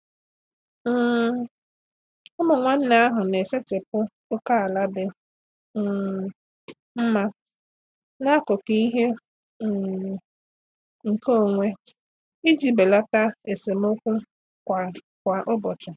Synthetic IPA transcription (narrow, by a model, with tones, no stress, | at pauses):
ʊ˦mʊ˨ŋʷa˦n̩˦na˦a˦ɦʊ˨ne˨se˦tɪ˨pʊ˦ | ʊ˦ka˦a˨la˦dɪ˦˨ | m̩˦ma˦ | na˦kʊ˨ki˦ɦe˦ | ŋ̩˨ko˦o˨ŋʷe˦ | i˦d͡ʒi˦be˨la˦ta˦e˨se˨m˦ʊ˦kʷu˦ | kʷa˨ | kʷa˨ʔʊ˦bɔ˨t͡ʃʊ˨